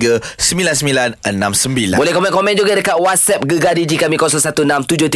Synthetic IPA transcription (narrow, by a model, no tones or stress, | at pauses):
ɡəsəmilansəmilanənãmsəmbila̰bolɛhkɔmɛ̃nkomɛ̃nd͡ʒuɡadəkat̪̚wat̪̚sɛp̚ɡəɡadid͡ʒikamĩkɔs̬ɔŋsat̪unãmt̪ud͡ʒʊht̪i